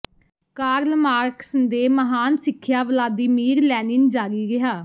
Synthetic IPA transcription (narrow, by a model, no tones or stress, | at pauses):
kaːɾəlmaːɾksənd̪eːməɦaːnsɪkʰːjaːʋlaːd̪iːmiːɾlɛːnɪnd͡ʒaːɾiːɡɪɦaː